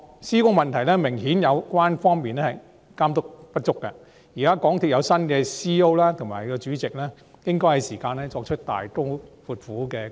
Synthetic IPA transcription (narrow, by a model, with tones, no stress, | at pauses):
siː˥kʊ˥ŋmɐ˨nt̪ʰɐ˨˩jlɛː˥mɪ˨˩ŋhiː˨˥njɐ˨˧wkʷwaː˥nfɔː˥ŋmiː˨nɛː˥hɐ˨j | kaː˥mt̪̬ʊ˥k̚pɐ˥t̚t͡ʃʊ˥kːɐ̰˧ | jiː˨kaː˥kɔː˨˥ŋt̪ʰi˧t̚jɐ˨˧wsɐ˥nkɛː˧siː˥o˥wlaː˥t̪ʰʊ˨˩ŋmaː˨˩jkɔ˧t͡ʃyː˨˥t͡sɪ˨k̚lɛː˥ | jɪ˥ŋkɔː˥jhɐ˨˧jsiː˨˩kaː˧nɛː˥t͡ʃɔː˧k̚t͡ʃʰɵ˥t̚t̪a̰ː˨jt̪ʊ˥fuː˨˧t̚fuː˨˥kɛː˧